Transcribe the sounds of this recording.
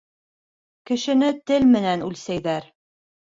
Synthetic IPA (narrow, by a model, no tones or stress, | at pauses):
kɘ̆ʃɘ̆nɘt̪ɘlmɘ̆nænʉlsæjðæɾ